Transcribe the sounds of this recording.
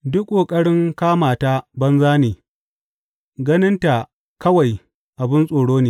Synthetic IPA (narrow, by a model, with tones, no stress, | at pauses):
dʊ˦kʷʼːoː˨kʼɐ˦ɽɪ˦ŋkaː˦maː˨ta˦bɐ˦nzaː˦neː˨ | ɡɐ˦nɪ˦nta˨ | kɐ˦wa˨j | ʔa˨bɪ˦nsʼoː˨ɽoː˦neː˨˦